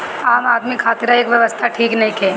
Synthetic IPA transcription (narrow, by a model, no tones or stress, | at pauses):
aːmaːd̪mikʰaːt̪ɪɾaeːkʋjɐʋəst̪ʰaʈʰiːknɐɦĩkʰɛː